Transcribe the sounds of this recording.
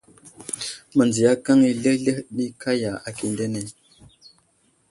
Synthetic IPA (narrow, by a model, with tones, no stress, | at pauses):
mə˨nd͡zi˨ja˦ka˦ŋi˦lə˦lə˦hni˦kʰa˦ja˨a˨ki˨nde˦ne˨